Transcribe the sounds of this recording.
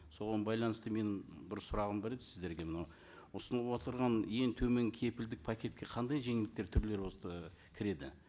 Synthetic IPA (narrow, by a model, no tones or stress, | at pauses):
so̞ʁɑnbɑjlˠɑnəst̪əme̞nɪmbɪɾsʊɾɑʁəmbeɾed̪ɪsɪzd̪e̞ɾɡʲe̞mnɑw | ʊsənˠɑpot̪əɾʁɑnje̞ŋt̪ʰɵme̞ŋkʲʰe̞pɪld̪ɪk̚pʰakʲe̞t̪̚kʲe̞qʰɑnd̪ɑjʒe̞ŋɪld̪ɪk̚t̪e̞ɾt̪ʰʏɾle̞ɾbo̞ə | kʲʰɪɾe̞d̪ɪ